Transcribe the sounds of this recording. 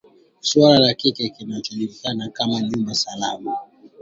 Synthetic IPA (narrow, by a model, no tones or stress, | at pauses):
swalalakikɛkinatuilikanakamaɲumbasalama